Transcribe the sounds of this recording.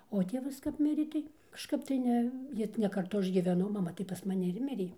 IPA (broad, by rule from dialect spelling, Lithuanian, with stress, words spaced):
oː ˈtʲeːʋɐs kɐp ˈmʲɪrʲeː ˈtɐɪ kɐʃˈkɐp tɐɪ ˈnʲɛ ˈjɪ nʲɛ kɐrˈtʊ ˈɐʃ ɡʲiːʋʲɛˈnɐʊ mɐˈmɐ tɐɪ pɐs mɐˈnʲɪ ɪr ˈmʲɪrʲeː